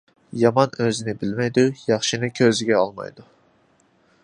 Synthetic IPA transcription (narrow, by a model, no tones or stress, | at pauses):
jɑmɑnøzinɪbilmɛjd̪ujɑχʃinɨkʲʰøziɡʲɛɑlˠmɑ̰jd̪u